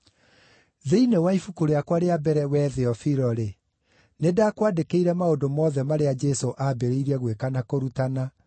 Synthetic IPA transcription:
ðeinewaifukoɾeakwaɾeabɛɾɛwɛːðeɔfiɾɔɾe | nedaːkwadekeiɾɛmaodomɔːðɛmaɾead͡ʒɛsoʔabeɾeiɾiɛɣwekanakoɾutana

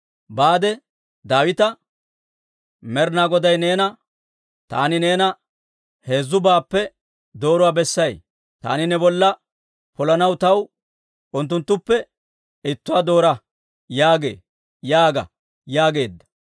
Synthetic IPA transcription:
baːd̪ɛ | d̪aːwɪt̪ɐ | mɛɾnaːɡɔd̪ɐjne̞ːnɐ | t̪a̰ːnɪne̞ːnɐ | he̞ːzːʊbaːpːɛ | d̪o̞ːɾɔʊwaːbɛsːɐj | t̪a̰ːnɪnɛbɔlːɐ | pɔlɐnɐwt̪ɐw | ʔʊnt̪̬ːʊnt̪ːʊpːɛ | ɪt̪ːʊwaːd̪o̞ːɾɐ | jaːɡe̞̰ː | jaːɡɐ̰ | jaːɡe̞ːd̪ːɐ̥

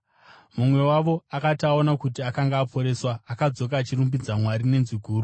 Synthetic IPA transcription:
mumwe̞waʋo̞akataonakutiakaŋɡaːpo̞ɾe̞ːswaːkad͡zo̞k̬at͡ʃirumbid͡zamwaɾine̞nziɡʱuːru

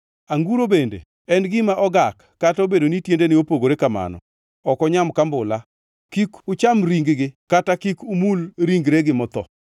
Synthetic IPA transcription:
aŋɡuɾobendḛ | ɛnɡɪmaʔɔɡakːatobedonitjendenɪopoɡoɾekama̰nɔ̰ | ɔkɔɲamkambʊla | kikʊt͡ʃamɾiŋɡɡɪkatakikumulɾiŋɡɾeɡɪmɔt̪ɔ̰

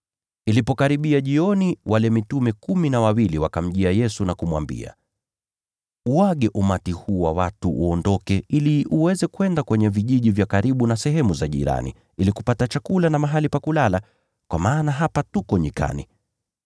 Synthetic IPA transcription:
ilipɔkaɾiɓiaʄiɔniwʔalɛmitumɛkuminawawiliwakam̩ʄiajɛsunakumwa̰mbḭa̰ | uaɠɛʔumatihuːwawatuʔɔndɔkɛiliʔuwɛzɛkuɛndakwɛɲɛviʄiʄivjakaɾiɓunasɛɦɛmuzaʄḭɾa̰nḭ | ilikupatat͡ʃakulanamaɦalipakulala | kwa̰maːnaɦapatukɔɲika̰nḭ

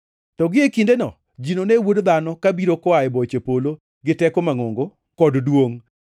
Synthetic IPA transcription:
tɔɡɪekindenɔ | d͡ʒinonewodd̪anɔkabiɾokɔaɛbɔt͡ʃepolo | ɡɪtɛkɔmaŋoŋɡo | kɔddwoŋ

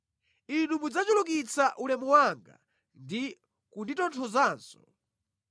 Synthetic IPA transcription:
inumud͡zat͡ʃulukit͡saʔulɛmuwaŋɡa̰ | ndi | kunditɔntʰɔzaːnsɔ̥

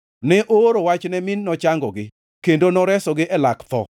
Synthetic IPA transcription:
nɛʔoɾowat͡ʃnɛmɪnːɔt͡ʃaŋɡɔɡɪ | kendonɔɾɛsɔɡɪʔɛlakt̪ɔ̰

